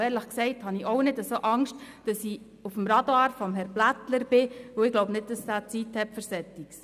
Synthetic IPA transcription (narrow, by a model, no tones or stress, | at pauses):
ɛːɾləχksɛɪthɑniʔɔʊnɪdəsoːʔɑŋʃt | d̥ɑsi | ufəmɾɑdɑɑːɾfɔmɦɛɾb̥lætləɾb̥ɪʋoɪɡlɔʊbnɪd̚d̥ɑsdæːt͡sithɛpfəɾsɛtiks